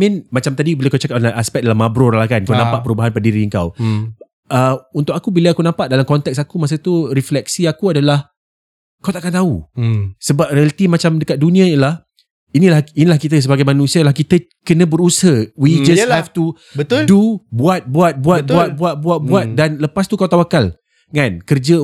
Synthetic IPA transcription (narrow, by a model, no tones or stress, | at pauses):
mĩnmat͡ʃamt̪adibilakawt͡ʃakap̚aʔaspɛk̚dalamabɾɔrlahkankawnãmpaʔpəɾubaɦanpədiɾiəŋka̰w | əunt̪ʊk̚akubilaakunãmpaʔdalamkɔnt̪ɛksakumas̬at̪uriflɛk̚siakuadalah | kawt̪aʔakant̪ausəbap̚ɾialət̪imat͡ʃamdəkat̪̚dunĩãinilah | inĩlahinilahkit̪əs̬əbaɡajmãnũsialahkit̪ə | kənə̃bəɾusəwid͡ʒashɛft̪u | bət̪ldubuat̪̚buat̪̚buat̪̚uat̪̚bat̪̚buat̪̚buat̪̚danləpast̪ukawt̪̬awakal | ŋãnkərd͡ʒə